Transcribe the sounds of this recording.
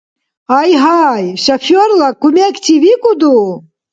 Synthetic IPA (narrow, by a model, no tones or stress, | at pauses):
ajɦajʃafʲɔrlˠɐkumʲɛkt͡sivʲikud̪u